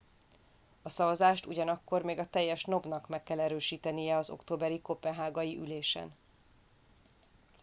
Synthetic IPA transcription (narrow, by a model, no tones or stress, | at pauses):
ɒsɒvɒzaːʃt̪uɟɒnɒkːo̞rmeːɡɒt̪ɛjːɛʃno̞bnɒkmɛkːɛlɛɾøːʃiːt̪ɛnijɛɒzo̞̰kt̪oːbɛɾikopɛɦaːɡɒjiʔyleːʃɛ̰n